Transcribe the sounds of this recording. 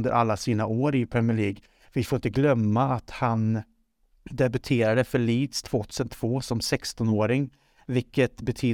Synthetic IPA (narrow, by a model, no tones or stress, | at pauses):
nd̪ə̰ɾʔalːasiːnaoːɾɪpʰɾɛmɪɭiːɡ | vɪfoɾɪnt̪əɡlœmːaːt̪han | d̪ɛbɵt̪ʰeːɾad̪əfœɭiːd̪st̪ʰv̥oːt̪ʰʉːsənt̪ʰv̥oːsɔmsɛkst̪ɔnoːɾɪŋ | vɪkːət̪bɛt̪ʰyː